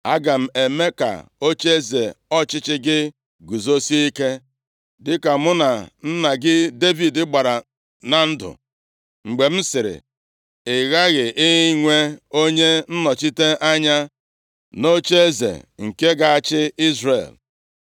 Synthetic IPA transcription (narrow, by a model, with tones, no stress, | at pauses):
a˦ɡa˨m̩˨e˨me˦ka̰˨o˦t͡ʃe˦e˦ze˨ɔ˦t͡ʃɪ˦t͡ʃɪ˦ɡɪ˦ | ɡu˨zo˦si˦i˦ke˦ | dɪ˦ka˨mʊ˦na˨n̩˦na˨ɡɪ˦de˦vi˨dɪ˦ɡ͡ba˨ɾa˨ | na˨n̩˦dʊ̰˨ | ŋ͡m̩˨ɡ͡be˨m̩˦sɪ˨ɾɪ̰˨ | ɪ˨ɣa˦ɣɪ˨ʔɪ˦ɦɪ˦ŋʷe˦o˦ɲe˦n̩˦nɔ˨t͡ʃi˦te˦ʔa˦ɲa˦ | no˦t͡ʃe˦e˦zḛ˨ŋ̩˨ke˦ɡa˨a˨t͡ʃɪ˦i˦zrḛ˨l